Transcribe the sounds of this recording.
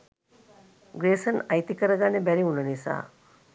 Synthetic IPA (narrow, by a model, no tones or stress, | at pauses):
ɡɾeːsɐnɐjt̪ikɐɾɐɡanebɛɾiunɐnisa̰ː